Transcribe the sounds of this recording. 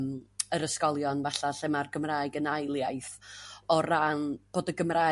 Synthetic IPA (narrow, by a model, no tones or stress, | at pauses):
məɾəskɔlˠjɔnvaɬaɬɛmarɡəmraːɨɡənajlˠjajθɔranb̥oːdəɡəmraː